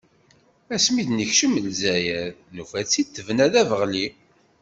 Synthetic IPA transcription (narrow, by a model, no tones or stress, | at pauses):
æsmiðnəçʃəməlzæjæðnufæt͡sːit̪ːəvənæðævəʁli